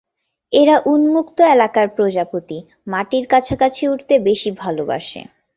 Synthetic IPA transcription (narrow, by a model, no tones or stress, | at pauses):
eɾaʔunmukt̪oelakaɾpɾod͡ʑapot̪i | maʈiɾkat͡ɕʰakat͡ɕʰeuʈʰt̪ebeʃibʱaloba̰ʃḛ